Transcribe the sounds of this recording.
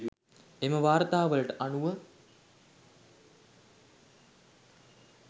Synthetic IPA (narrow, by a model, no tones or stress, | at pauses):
eməʋaːɾət̪aːʋələʈəʔanuʋə